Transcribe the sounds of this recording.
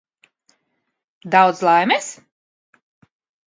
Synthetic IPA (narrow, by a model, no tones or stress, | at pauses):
d̪awd̪zlˠajmɛs